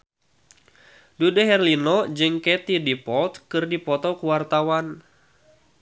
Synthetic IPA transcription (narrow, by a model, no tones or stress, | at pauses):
dudɛɦɛrlinɔd͡ʒɨŋkɛt̪idipɔlt̪kɨrdipɔt̪ɔkuwart̪awan